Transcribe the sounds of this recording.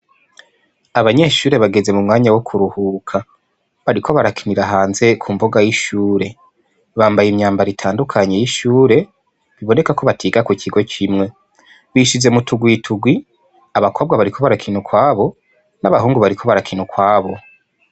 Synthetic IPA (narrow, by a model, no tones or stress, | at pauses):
aβaɲe̞ːʃuːɾe̞βaɡe̞ze̞mumŋaːɲawokʰuɾuhuːkʰa | βaɾikʰo̞βaɾakʰiniɾaɦaːnze̞kʰumboɡajiʃuːɾe̞ | βaːmbajimɲaːmbaɾitʰaːndukʰaɲe̞jiʃuːɾe̞ | βiβo̞ne̞kako̞βatʰiːɡakucʰiɡo̞kʰimŋe̞ | wiːʃize̞mutʰuɡwitʰuɡwi | aβakʰo̞ːb̚ɡaβaɾikʰo̞βaɾakʰinukwaːβo̞ | naβaɦuːŋɡuβaɾikʰo̞βaɾakʰinukwaːβo̞